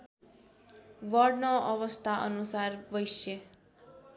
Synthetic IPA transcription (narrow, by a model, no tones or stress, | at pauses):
ʋəɾɖnɔ̃ʔəʋəst̪ʰaʔə̰nusaɾʋəjʃe